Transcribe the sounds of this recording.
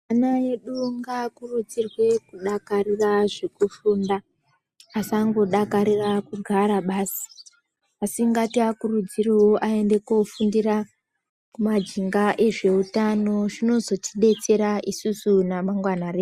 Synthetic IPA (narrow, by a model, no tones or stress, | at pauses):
anae̞ɗuŋɡakurud͡zirwe̞kuɗakariraʐekufuːndaː | saŋɡo̞ɗakaɾirakuɡʱaɾaɓaːsi̥ | asiŋɡatiakurud͡ziriwoʔae̞nde̞kofundira | kumad͡ʒiŋɡaʔe̞ʐe̞utano̞ʐino̞zo̞tiɗe̞t͡se̞ɾaʔisusunamaŋɡwanare